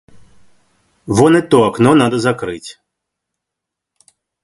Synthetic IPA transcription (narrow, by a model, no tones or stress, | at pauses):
ʋɔnɛt̪ɔɐknɔnad̪ɐzɐkɾɪtʲ